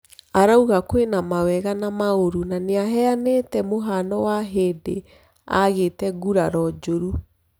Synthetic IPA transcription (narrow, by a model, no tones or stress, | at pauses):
aɾauɣakwenamawɛɣanamaoɾunaneaɦɛanetɛmoɦanɔwaɦeːde | a̰ɣetɛɣuɾaɾɔd͡ʒoɾu